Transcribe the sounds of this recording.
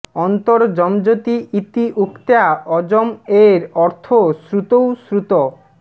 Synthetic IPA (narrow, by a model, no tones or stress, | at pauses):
ɔnt̪oɾd͡ʑɔmd͡ʑot̪iʔit̪iʔukt̪eaɔd͡ʑomeɾɔɾt̪ʰosɾut̪owsɾut̪o